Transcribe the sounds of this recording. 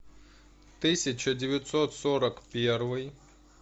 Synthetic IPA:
t̪ɪsʲɐt͡ɕɐdʲɪʋʲjɐt̪sɔt̪sɔɾɐkpʲɛrʋɪj

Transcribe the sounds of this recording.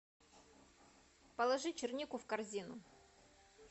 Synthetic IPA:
pəlˠɐʐɨt͡ɕɪrnʲikʊfkɐrzʲinʊ

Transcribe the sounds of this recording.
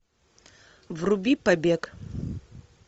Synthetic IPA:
vrubipabekʼ

